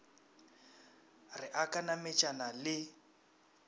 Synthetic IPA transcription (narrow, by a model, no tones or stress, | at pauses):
rɪʔakʼanamɛt͡ʃʼanalɪ